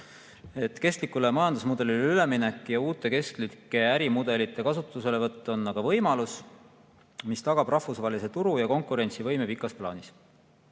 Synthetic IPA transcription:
e̞t̪ːke̞st̪likːulemɑjɑnd̪usmud̪e̞lileyle̞minekːˑjɑuːt̪ːˑe̞ke̞sklikːˑe̞æɾimud̪̥e̞lit̪ːˑe̞kɑsut̪ːˑuse̞le̞vɤt̪ːˑo̞nːɑɡ̥ɑvɤ̞jmɑlus | mist̪ɑɡ̥ɑb̥rɑhvusvɑːlise̞t̪uɾujɑko̞ŋkˑuɾe̞nt̪sivɤ̞jme̞pikːˑɑsplɑ̰ːnis

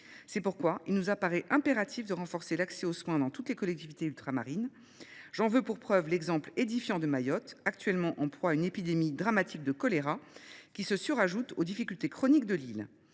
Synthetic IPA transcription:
sɛpuʁkwailnuzapaʁɛʔɛ̃peʁat̪ʰifd̪əʁɑ̃fɔʁselaksɛoswɛ̃d̪ɑ̃t̪ut̪lekɔlɛk̚t̪ivit̪eylt̪χama̰ʁin | ʒɑ̃vøpuʁpχœvlɛɡzɑ̃pled̪ifjɑ̃d̪əmajɔt̪ak̚t̪ɥɛlmɑ̃ʔɑ̃plwaynepid̪emid̪ʁamat̪ʰik̚d̪əkɔleʁakʲisəsyʁaʒut̪od̪ifikʲylt̪ekχɔnik̚d̪əlil

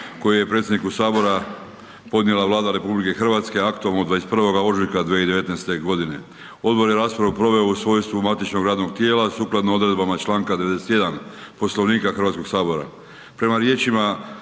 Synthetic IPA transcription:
ko̞jije̞pɾe̞t̪sʲjed̪nikusaːbo̞ɾa | po̞d̪nje̞laʋlaːd̪aɾe̞publike̞xr̩ʋaːt̪ske̞akt̪ualˠnod̪ʋaeset̪prʋo̞ɡaoʒikad̪ʋeid̪e̞ʋe̞t̪nejst̪e̞ɡo̞d̪ine̞̰ | o̞d̪bo̞ɾjeɾaːspɾaʋupɾo̞ʋe̞ousʋo̞ːjst̪ʋumat̪it͡ʃno̞ɡɾaːd̪noɡ̚t̪je̞ːlasuːklad̪noo̞d̪ɾed̪bamat͡ʃlaːŋkad̪e̞eeset̪je̞d̪anpo̞slo̞ʋniːkaxɾrʋat̪ko̞ɡ̥saːbo̞ɾa̰ | pɾe̞maɾje̞ːt͡ʃima

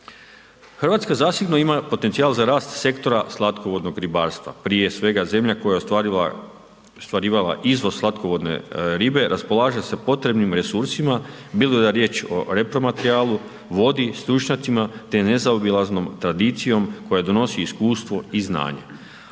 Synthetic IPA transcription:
xrʋaːt̪skazaːsiɡno̞imapo̞t̪e̞nt̪sijaːlˠzaɾaːst̪se̞kt̪o̞ɾaslˠat̪koʋo̞d̪no̞ɡɾibaːɾst̪ʋa̰pɾije̞sʋe̞ɡaze̞mʎako̞ja | st̪ʋaɾiːʋala̰ʔizʋo̞zslat̪koʋo̞d̪ne̞̰ɾibe̞ɾʔaspo̞lˠaːʒasepo̞t̪ɾe̞bnimɾesuɾsima | bilod̪aɾje̞ːt͡ʃo̞̰ɾe̞pɾo̞mat̪eɾiaːlu | ʋo̞d̪ist̪ɾut͡ʃɲat̪simat̪ene̞zaobilˠazno̞mt̪ɾad̪it̪sijo̞mko̞jad̪o̞no̞siːskuːst̪ʋo̞izna̰ːɲe

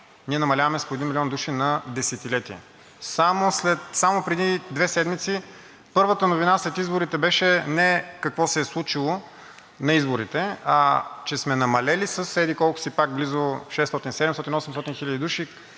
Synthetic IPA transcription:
niɛnɐmɐlʲavɐmɛspoɛd̪inmilʲiɔnd̪uʃinɐd̪ɛsɛt̪ilɛt̪iɛ̰ | samoslɛt̪samopɾɛd̪id̪vɛsɛd̪mit̪si | pɤɾvət̪ənovinaslɛt̪izboɾit̪ɛbɛʃɛnɛkɐkvɔsɛːslˠut͡ʃilˠo | nɐizboɾit̪ɛat͡ʃɛsmɛnɐmɐlɛlisəsɛd̪ikɔlˠkʊ̥sipaɡ̚blizoʃɛst̪ɔt̪insɛd̪ɛmst̪ɔt̪inɔsɛmst̪ɔt̪inxilʲəd̪id̪uʃi

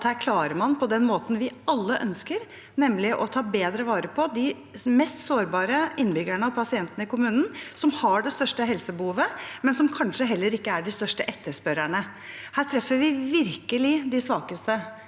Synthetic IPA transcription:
t̪hæːɾkʰlɑːɾəɾmɑnpʰɔd̪ɛnmoːt̪nʋɪɑlːəʔœnskəɾ | nɛmlɪʔɔt̪ʰɑːbeːd̪ɾəʋɑːɾəpʰɔd̪ɪ | mɛst̪soːɾbɑːɾəɪnːbʏɡæɳəɑpʰɑsɪɛnt̪ənəɪkʊmʉːnn̩sɔmhɑɖɛst̪œʂʈəɦɛlsəbəhuːʋəmɛnsɔmkʰɑnʂəɦɛlːəɾɪkːəæɖɪst̪œʂʈəʔɛt̪ːəʂpœɾæɳə | hæːt̪ʰɾɛfːəɾʋɪʋɪɾkəlɪd̪ɪsʋɑːkəst̪ə

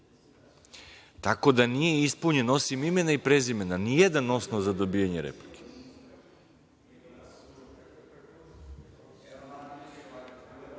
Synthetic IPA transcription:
t̪ako̞d̪anije̞ispuɲe̞no̞simime̞naipɾezime̞nanijed̪ano̞snoʋzad̪o̞bijaɲeɾḛplikʰe̥

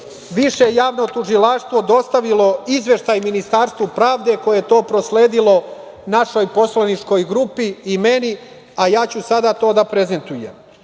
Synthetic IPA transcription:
ʋiʃejaːʋnot̪uʐilaʂt̪ʋo̞d̪o̞st̪aʋilo̞izʋe̞ʃt̪ajminist̪aːɾst̪ʋupɾaːʋd̪e̞ko̞jeet̪o̞ːpɾo̞sleːd̪ilo̞ | naʃo̞jpo̞slanit͡ʂko̞jɡɾupiːme̞ni | ajaːt͡ɕusad̪at̪o̞ːd̪apɾe̞ze̞nt̪ujḛm

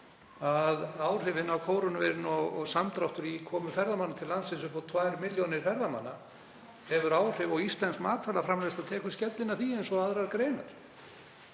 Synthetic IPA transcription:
aðaːwr̥ʏvɪnawkʰoːwɾʏnavḛɾɪnɔɣɔɣsamt̪ɾawht̪ʏɾikʰɔːmʏfɛɾðamanːat̪ʰɪlːansɪns̬ʏhpɔt̪ʰvajɾmɪljonɪɾ̥fɛɾðama̰nːa | hɛvʏɾaːwr̥ʏvɔɣist̪lɛnskmaːt̪ʰaːlafɾamlɛst̪aðt̪ʰɛːkʏ̥scɛt̪lɪnaθiejnsɔaðɾaɾkɾejna̰ɾ̥

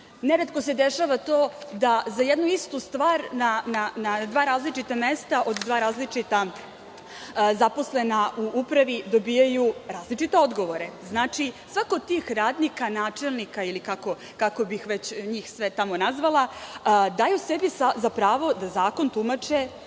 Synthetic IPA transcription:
neɾet̪ko̞sed̪eʃaːʋat̪oːd̪azajed̪nuist̪ust̪ʋaːɾnananad̪ʋaːɾaːzlit͡ʃit̪ame̞st̪aʔo̞d̪d̪ʋaːɾaːzlit͡ʃit̪a | zapo̞slenaʔuʔupɾaʋid̪obiːjajuɾaːzlit͡ʃit̪e̞o̞d̪ɡo̞ʋo̞ɾeznaːt͡ʃisʋakood̪t̪iːxɾaːd̪nikanaːt͡ʃelˠnikailikako̞ | kako̞bixʋet͡ɕɲiːxsʋet̪amo̞nazʋalˠad̪aːjusebisazapɾaːʋo̞d̪azaːko̞nt̪umat͡ʃe

